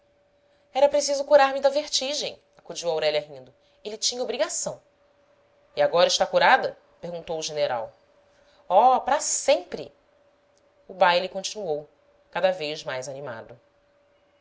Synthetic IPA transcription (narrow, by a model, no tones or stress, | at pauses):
ɛɾɐpɾesizʊkuɾaɾmɪd̪ɐveɾt͡ʃiʒḛ̃j̃ | akud͡ʒiwawɾɛʎɐɦĩnd̪ʊ | elɪt͡ʃĩɲɐobɾiɡasɐ̃w̃ | iaɡɔɾɐɪʃt̪akuɾad̪ɐ | peɾɡũnt̪owuʒeneɾa̰w | ɔpɾɐsẽmpɾɪ̰ | ubajlikõnt͡ʃinuow | kad̪ɐvejzmajzanima̰d̪ʊ